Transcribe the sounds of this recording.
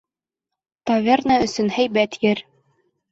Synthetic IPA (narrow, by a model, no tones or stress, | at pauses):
t̪ɑvʲernɑɵ̆sɵnhæjbæt̪jɘɾ